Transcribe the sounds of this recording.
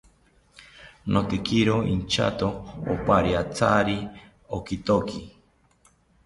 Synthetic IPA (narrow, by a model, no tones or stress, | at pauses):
nʔot̪ekiɾoḭnt͡ʃʰa̰t̪o̰ːpaɾiat͡sʰaɾi | okit̪oki